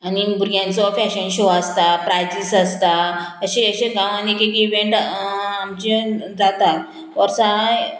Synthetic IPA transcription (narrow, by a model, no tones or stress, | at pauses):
anibuɾijãnt͡sɔfɛɕənɕoəst̪apɾajd͡ʑisəst̪aəɕeəɕeɡãʋãnekekiʋẽɳʈamt͡ɕed͡zat̪at̪ | ʋɔɾsaaj